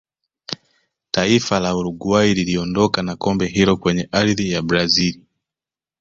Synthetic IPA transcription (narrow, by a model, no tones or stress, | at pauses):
taifalauɾuɡuaililiɔndɔkanakɔmbɛɦiɾɔkwɛɲɛʔaɾðijabɾazili